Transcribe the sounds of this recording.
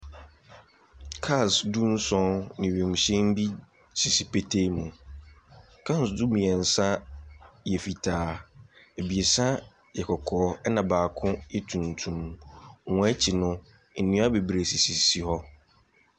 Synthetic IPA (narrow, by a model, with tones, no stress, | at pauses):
kʰa˦˨sdu˦n̩˦sɔ̃˦nɪ̃˨ɥẽ˨m̩˨ɕɛ̃˦m˦bi˦ | sʰi˨si˨pe˦tʰe˦mũ˨ | kʰã˦n˨sdu˦mĩ˨ɛ˨n̩˨sã˦ | jɛ˨fi˨tʰaː˨˦ | e˨bi˨e˨sã˦ | jɛ˨kʰɔ˨kʰɔː˨˦ɛ˦nã˨baː˨kʰʊ̃˦ɛ˦tʰũ˨ntʰũ˨m˨wɔ̃˨˦ɛ˦t͡ɕʰɪ˨nʊ̃˦ | n̩˨nĩ˦a˦be˨bɾe˨si˨si˨si˨hɔ˦